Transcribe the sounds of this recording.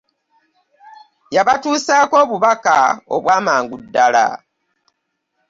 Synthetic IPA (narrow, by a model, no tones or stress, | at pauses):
jaβatuːsaːko̞ːβuβakao̞̰βwaːmaːŋɡudːala̰